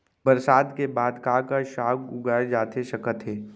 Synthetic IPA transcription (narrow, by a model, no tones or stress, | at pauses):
bəɾsaːd̪kebaːd̪kaːkaʃaːkɡʊɡaːed͡ʒaːt̪eʃɐkət̪ɦeː